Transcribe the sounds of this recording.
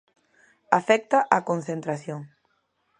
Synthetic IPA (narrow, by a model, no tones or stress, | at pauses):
afɛk̚t̪aʔakonθent̪ɾaθjoŋ